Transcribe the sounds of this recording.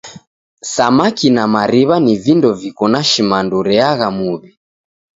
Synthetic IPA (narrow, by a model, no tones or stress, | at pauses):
samakinamaɾiβanivindɔvikɔnaʃimanduɾɛaɣamuβi